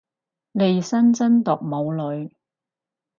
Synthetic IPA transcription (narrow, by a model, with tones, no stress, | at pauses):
le˨jsɐ˥nt͡sɐ˥nt̪ʊ˨k̚mo˨˧wlɵ˨˧ɥ